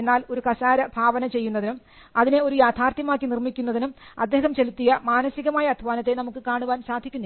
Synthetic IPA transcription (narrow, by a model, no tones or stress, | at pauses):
enːaːlo̞ɾukɐsaːɾɐbʱaːʋɐnɐt͡ɕe̞jːunːɐðinum | ɐðine̞o̞ɾujaːt̪ʰaːrt̪jɐmaːkːinirmikʲːunːɐðinumɐ̰d̪ːe̞ːɦɐmt͡ɕe̞lut̪ːijɐmaːnɐsiɣɐmaːjɐːd̪ʱʋaːnɐt̪ːe̞nɐmukːɨkaːɳuʋaːnsaːd̪ʱikʲːunːɐ